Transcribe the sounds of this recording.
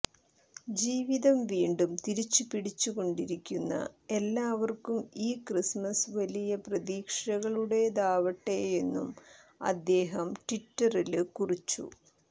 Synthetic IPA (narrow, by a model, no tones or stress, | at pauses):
d͡ʑiːʋiðɐmʋiːɳɖumt̪iɾit͡ɕːupiɽit͡ɕːuɣo̞ɳɖiɾikʲːunːɐ̰e̞lːaːʋɐrkumiːkrismɐsʋɐlijɐprɐðiːkʂɐɣɐɭuɽe̞d̪aːʋɐʈːeje̞nːṵm | ɐ̰d̪ːe̞ːɦɐmʈiʈːɐrilkurit͡ɕːṵ